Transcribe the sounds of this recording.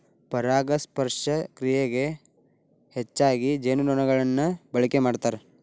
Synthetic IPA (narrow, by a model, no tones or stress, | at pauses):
pɐɾaːɡɐspɐɾʂɐkɾijeɡe̞ | het͡ʃːaːɡid͡ʒeːnunɔːnɐɡɐɭɐnːɐbɐɭikemaːɖt̪aːɾe